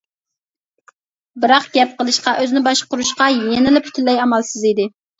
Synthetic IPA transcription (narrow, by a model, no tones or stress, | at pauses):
bɨɾɑqɡ̥ʲɛp̚qəlˠɨʃqɑʔøznɪbɑʃqʊɾuʃqɑjenɪlɪpʰt̪ʰynlːɛjɑmɑlˠsɨzid̪ɪ